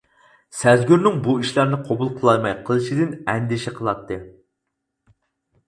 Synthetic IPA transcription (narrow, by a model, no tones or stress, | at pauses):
sæzɡʲyɾnɪŋbuiʃlæɾnɪqʰobulˠqʰəlˠɑɾmɑjqʰəlˠɨʃid̪ɪnɛnd̪ɪʃɛqʰəlˠɑt̪ʰːɨ